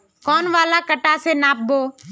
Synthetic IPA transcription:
kɔːnʋaːlaːkəʈaːseːnaːp̚boː

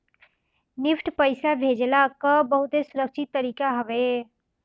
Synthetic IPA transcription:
nɪpʰʈpəɪsabʱeːd͡ʒlakəbəɦʊt̪ɦesʊɾəkʃɪt̪ːəɾiːkaɦɐʋe

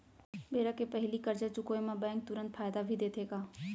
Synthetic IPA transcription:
beːɾakepɐɦɪlikəɾd͡ʒət͡ɕʊkoːemãbɛ̃ːŋk̚t̪ʊɾə̃nt̪fʰaːjd̪abʱid̪eːt̪ʰeːkaː

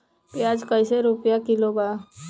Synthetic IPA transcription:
pjaːd͡ʒkəɪseɾʊpjakɪloba

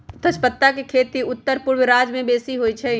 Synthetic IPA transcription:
t̪ʰət͡ʃpət̪ːakekʰeːt̪iʊt̪ːəɾpuɾʋɾaːd͡ʒmẽbeːsiɦojt͡ʃʰɛ

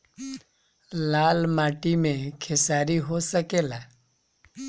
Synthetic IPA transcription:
laːlmaːʈimẽkʰɪsaːɾiɦosəkeːlaː

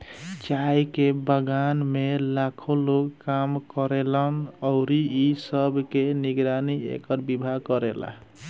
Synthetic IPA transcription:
t͡ʃajkebəɡanmelakʰoloɡkamkɔɾelənɔʊɾiisəbkeniɡɾaniḛkəɾbibʱakɔɾela̰

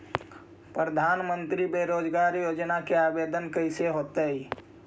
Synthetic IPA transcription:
pɾəd̪ʱanmənt̪ɾibeɾod͡ʒɡaɾijod͡ʒnakeabed̪ənkəseɦot̪əj

